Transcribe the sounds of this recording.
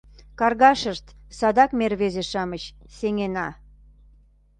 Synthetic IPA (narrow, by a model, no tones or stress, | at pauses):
kɑrɣɑʃəʃt̪sɑd̪ɑkmerβezeʃɑmət͡ɕseŋenɑ